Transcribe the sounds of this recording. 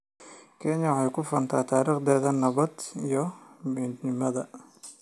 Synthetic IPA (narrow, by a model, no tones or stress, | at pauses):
kʰɛnjɐʕɑjkʰʊfɐnt̪ʰaːt̪ʰaːɾiːχd̪ɛːðɐnɐβɐd̪ijɔmid̪nɪmɐðɐ